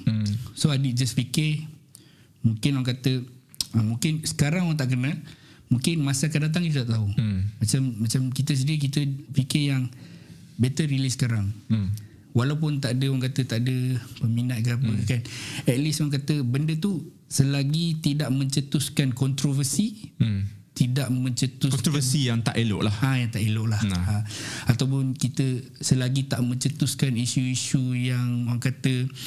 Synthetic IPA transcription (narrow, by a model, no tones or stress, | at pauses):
soadid͡ʒasfikɪ | mũkɪnwaŋkat̪ə | amũkɪnsə̥kaɾaŋwaŋt̪aʔk̬ənalmũkɪnmasakandat̪̬aŋkit̪ət̪aʔt̪aumat͡ʃamːat͡ʃamkit̪̬əs̬ədiək̬it̪əfikɪjaŋ | bɛt̪əɾilisə̥kaɾaŋ | walap̬ʊnt̪aʔdəwaŋk̬at̪ət̪aʔdəpəminat̪̚kəapəkanɛt̪̚lisoaŋk̬at̪əbəndət̪u | səlaɡit̪idaʔmə̃ɲt͡ʃət̪uskankɔnt̪ɾovəsi | t̪idaʔmə̃ɲt͡ʃət̪usəsijaŋt̪a̰ʔelo̰ʔlahajaŋt̪aʔeloʔlahaat̪awp̬ʊnkit̪ə | səlaɡit̪aʔmə̃ɲt͡ʃət̪uskanisuiʃujaŋoaŋkat̪ə